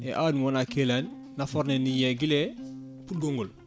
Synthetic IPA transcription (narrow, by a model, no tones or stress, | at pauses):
ɛʔanimonakelanː | afɔɾnenijeɡile | put̚ɡoŋɡul